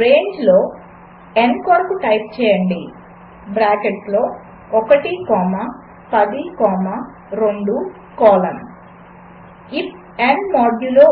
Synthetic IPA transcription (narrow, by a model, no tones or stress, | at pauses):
ɾeːɲd͡ʒloː | enkɐːɾkuʈɐjp̚t͡ʃɛːjɐɳɖi | bɾaːkeʈlo̞ː | ɔkɐʈikɔːmɐ | pɐd̪ikɔːmɐ | ɾoɳɖu | kɔːlɐn | ip | enmaːɖjuloː